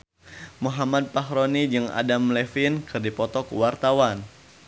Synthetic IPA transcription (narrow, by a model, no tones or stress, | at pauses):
muɦamad̪̚paɦɾonid͡ʒɨŋa̰damlɛfɪnkɨrdipɔt̪ɔkuwart̪awan